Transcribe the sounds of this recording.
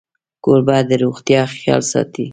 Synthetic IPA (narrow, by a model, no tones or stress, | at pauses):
koɾbɑd̪əɾoɣt̪jɑxjɑ̰lsɑ̰t̪i